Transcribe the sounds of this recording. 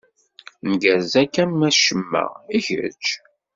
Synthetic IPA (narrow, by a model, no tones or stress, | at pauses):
nəɡæɾzækːæmmæʃəmːæ̰içə̰ɾt͡ʃ